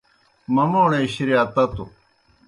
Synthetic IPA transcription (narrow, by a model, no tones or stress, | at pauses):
mɐmoːneiɕiɾiat̪ɐt̪u